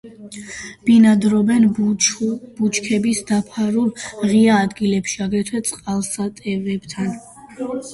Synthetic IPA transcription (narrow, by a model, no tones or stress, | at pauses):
b̥inad̪ɾɔbɛn | b̥ut͡ʃʰkʰɛbisd̪apʰaɾuɾʁiaːd̪ɡilɛpʃiaɡɾɛt̪ʰwɛt̪sʼqʼalˠsat̪ʼɛvɛb̥t̪ʰan